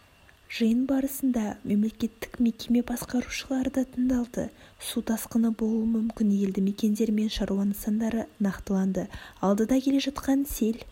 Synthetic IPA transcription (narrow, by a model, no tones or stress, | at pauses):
ʒ̥əjənbɑɾəsənd̪ɑme̞mle̞kʲe̞t̪ːɪ̥kme̞kʲe̞me̞bɑsqɑɾuʃəlˠɑɾd̪ɑt̪ʰəɴd̪ɑlˠd̪ə̰sut̪ʰɑsqənəbo̞lˠuəmʏmkʲɪnʲeld̪ɪme̞kʲe̞nd̪e̞ɾme̞nʃɑɾuwɑnəsɑnd̪ɑɾənɑqt̪əlˠɑnd̪əɑlˠd̪əd̪ɑkʲʰe̞le̞ʒɑt̪qɑnse̞l